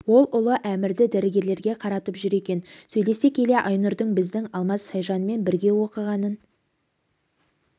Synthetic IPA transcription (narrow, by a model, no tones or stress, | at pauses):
wo̞lˠʊlˠəʔæmɪɾd̪ɪd̪æɾɪɡʲe̞ɾle̞ɾɡʲe̞qʰɑɾɑt̪əpʒʏɾe̞kʲe̞nsɵjle̞se̞kʲʰe̞le̞ʔɑjnʊɾd̪əɴbɪzd̪ɪŋɑlˠmɑzʃɑjʒɑnəme̞nbɪɾɡʲe̞wo̞qəʁɑnən